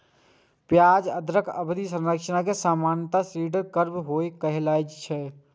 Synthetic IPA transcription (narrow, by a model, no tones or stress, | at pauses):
pjaːd͡ʒəd̪ɾəkʰəbd̪isə̃nɾəkʃənakesaːmaːnjət̪asɾiːɖəɾkəɾbɦoekəɦlaːjt͡ʃt͡ʃʰɛ